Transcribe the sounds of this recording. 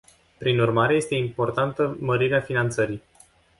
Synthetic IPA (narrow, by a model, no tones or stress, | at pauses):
pɾinurmaɾe̞je̞st̪eimpo̞rt̪ant̪əməɾiɾeafinant̪səɾij